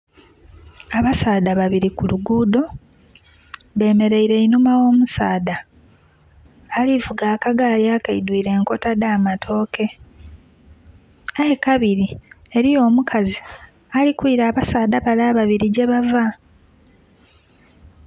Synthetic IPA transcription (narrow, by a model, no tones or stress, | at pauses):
aβasaːd̪aβaβiɾikuluɡuːdo̞ | βe̞ːme̞ɾe̞iɾe̞inumawo̞ːmusa̰ːda | livuɡaːkaɡaliakaidwiːɾe̞ːŋko̞tadaːmatʰo̞ːkʰe̞ | aje̞kaβiɾi | eɾijo̞ːmukʰazi | alikwiɾaːβasaːd̪aβalaːβaβiɾiɟe̞βava